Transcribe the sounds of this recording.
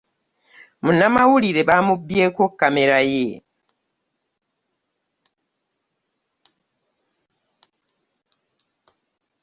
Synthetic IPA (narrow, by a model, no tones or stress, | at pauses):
munamawuliɾebamubjekokameɾaje